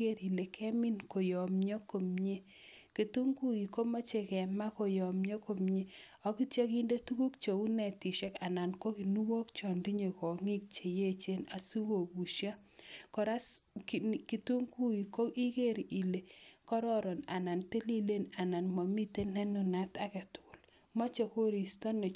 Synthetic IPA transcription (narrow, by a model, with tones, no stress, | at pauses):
e˦ɾi˨le˨kʰɛ˦mi˦nko˨jɔ˨mɲo˦ko˨mɲe˦ | ke˨tu˦ŋɡu˦ji˨ko˦ma˦t͡ʃe˨kɛ˨ma˦ko˨jɔ˨mɲo˦ko˨mɲe˦ɔ˦ki˦tja˦ki˦nde˦tu˦ku˦k̚t͡ʃo˨u˦nɛ˨ti˨ʃɛ˦ka˨na˨nko˦ki˨nu˦wo˦kt͡ʃɔ˨ndi˦ɲe˨kɔ˨ŋi˦k̚t͡ʃe˨je˦t͡ʃe˦na˨su˦wo˨bu˨ʃja˦ | kɔ˨ɾa˦skki˨tu˦ŋku˦i˨ko˦i˦ke˦ɾʔi˨le˨kɔ˦ɾɔ˦ɾɔ˨na˨na˨nte˦li˦le˦na˨na˨nmɔ˨mi˦te˦nɛ˦nu˨na˦ta˨ke˨tʊ̥˨l | mɔ˦t͡ʃe˨ko˦ɾi˨stɔ˦ne˨